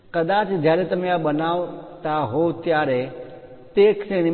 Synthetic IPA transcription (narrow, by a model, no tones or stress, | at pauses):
kəd̪at͡ʃd͡ʒjaɾet̪əmeabənaʋt̪aɦot̪jaɾe | t̪ekseñi